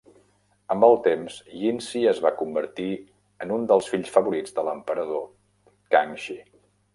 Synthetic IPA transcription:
əmbəlˠt̪emzʎinsiəzβakumbəɾt̪i | ənund̪əlˠsfiʎsfəβuɾid͡zðələmpəɾəðo | kaŋʃi

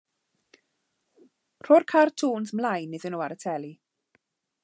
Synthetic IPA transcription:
r̥orkʰartʰuːnsmlajnːɪðənuːaɾətʰɛli

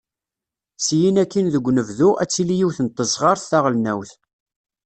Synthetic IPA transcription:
sjinækːinðəɡʷːnəvðuʔæt͡sːilijiwθənt̪ˤːəsʁɑɾˤθːaʁəlnæwθ

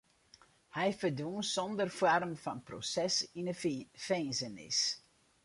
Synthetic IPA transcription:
hɛjfərdʋuənsɔndərfwarmfɑnpro̰sɛsinəfeːnzənɪ̰s

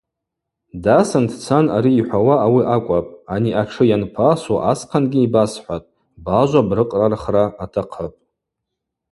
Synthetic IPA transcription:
dasandʰt͡sʰanaɾiːħʷawaːwiʔakʷʼapʼaniʔaʈ͡ʂʰɨjanpʰasaʔasqʰanɡʲiibasħʷatʼ | baʒʷabrɨqʼrarχraːtʰaqʰəpʼ

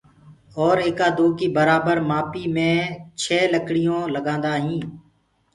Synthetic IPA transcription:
ɔːɾeːkaːd̪oːkiːbəɾaːbəɾmaːpiːmẽːt͡ʃʰɛːləkɽɪjõːləɡãːnd̪aːɦĩː

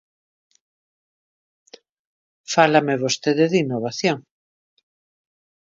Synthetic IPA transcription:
falameβost̪eðɪðinːoβaθjoŋ

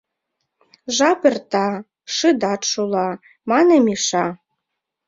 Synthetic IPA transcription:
ʒɑpert̪ɑ | ʃɨd̪ɑt̪ʃulˠɑ | mɑnemiʃɑ

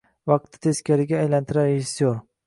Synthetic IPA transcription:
vɑq̚t̪ʰːɪ̥t̪ʰe̞skʲaɾɪɡʲaːjlant̪ʰɪɾaɾeʒɪsjoɾ

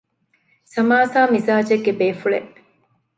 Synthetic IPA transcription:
sɐmaːsaːmizaːd͡ʒeɡːebeːfuɭeʔ

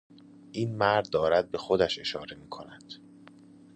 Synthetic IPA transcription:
ʔiːnmæɾd̪̚ːɒːɾæd̪̚be̞xod̪æʃe̞ʃɒːɾe̞miːkʰo̞næd̪̥

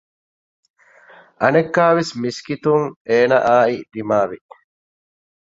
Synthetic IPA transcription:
ʔɐnekːaːʋesmiskit̪uŋeːnɐ̰ʔaːid̪imaːʋi

